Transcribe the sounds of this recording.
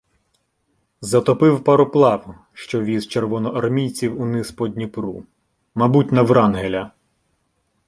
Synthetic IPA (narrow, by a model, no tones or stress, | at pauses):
zɐt̪ɔpɪwpɐɾɔplˠɑw | ʃt͡ʃɔʋʲizt͡ʃerʋɔnɔʔɐrmʲijt͡sʲiwunɪspɔd̪ʲnʲipɾu | mɐbutʲnɐʋɾɑnɦelʲɐ